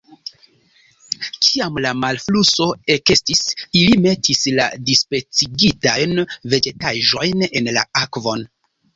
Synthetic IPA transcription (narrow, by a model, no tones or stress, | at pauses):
kʰiamlamalfluso̞e̞ke̞stisilime̞tisla̰dispɾe̞t͡siɡitajnve̞d͡ʒe̞taʒo̞jne̞nla̰akvo̞n